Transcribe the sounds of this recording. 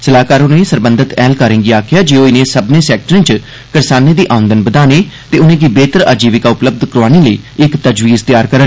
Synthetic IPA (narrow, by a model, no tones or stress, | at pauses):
səlaːkaːɾʊnẽːsəɾbə̃nd̪ət̪ɛːlkaːɾɪ̃ŋɡiːaːkʰjaːd͡ʒeːoːɪnẽːsəbnẽːsɛːk̚ʈəɾẽːt͡ʃ | kəɾsaːnẽːd̪iːʔãːʊ̃nd̪ənbəd̪aːneːt̪eːʊnẽːkibeːt̪əɾa̰ːd͡ʒiːʋɪkaːʊpləb̚d̪kəɾaːnẽːləiːɪkt̪əd͡ʒʋiːzt̪ɪjaːɾkəɾə